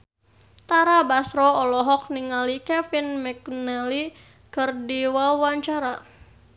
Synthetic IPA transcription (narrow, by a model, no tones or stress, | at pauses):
t̪aɾabasɾɔɔlɔɦɔk̚niŋalikɛfinmɛknɛli | kərdiwawaɲt͡ʃaɾa